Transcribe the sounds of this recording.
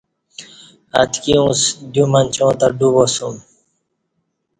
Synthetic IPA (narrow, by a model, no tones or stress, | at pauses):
a̰t̪kiũsd̪jumanʲt͡ɕõːt̪aɖubosum